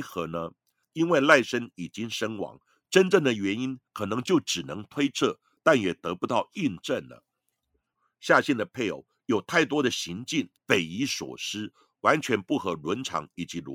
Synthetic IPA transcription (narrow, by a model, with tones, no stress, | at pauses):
xɤ˧˥nə˧ | i˥nwe˥˧ɪla˥˩ɪʂə˥ni˨˩t͡ɕi˥ŋʂə˥ŋwɑ̰˧˥ŋ | ʈ͡ʂə˥nʈ͡ʂə˥˩ŋd̪ə˩ɥɛ˧˥ni˥nkʰɤ˨˩nɤ˧˥ŋt͡ɕjo˥˩ʊʈ͡ʂɻ̩˨˩nɤ˧˥ŋt̪ʰwe˥ɪt͡sʰɤ˥˩ | t̪a˥˩njɛ˨˩t̪ɤ˧˥pu˧t̪ɑ˥˧ʊi˥˧nʈ͡ʂə˥˩nlə̰˩ | ɕja˥˧ɕɛ˥˩nd̪ə˩pʰe˥˩ɪo̰˨˧˥ʊjo˨˩ʊt̪ʰa˥˩ɪt̪wɔ˥d̪ə˨ɕi˧˥ŋt͡ɕi˥˩nfe˨˩ɪi˧˥ʂwɔ̰˨˩ʂɻ̩˥ | wa˧˥nt͡ɕʰɥɛ˧˥npu˥˩xɤ˧˥lwə˧˥nʈ͡ʂʰɑ̰˧˥ŋi˨˩t͡ɕi˧˥l